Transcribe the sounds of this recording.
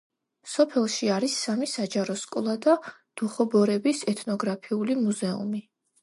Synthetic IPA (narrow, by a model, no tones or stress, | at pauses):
sɔpʰɛlˠʃiaɾisːamisad͡ʒaɾɔskʼɔlˠad̪a | d̪̥uχɔbɔɾɛbisɛt̪ʰnɔɡɾapʰiulimuzɛṵmi